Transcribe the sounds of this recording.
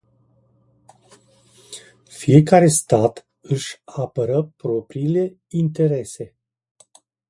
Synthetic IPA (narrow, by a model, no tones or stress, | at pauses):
fije̞kaɾe̞st̪at̪ | ɨʃʲapəɾəpɾo̞pɾiːle̞ | int̪e̞ɾe̞se̞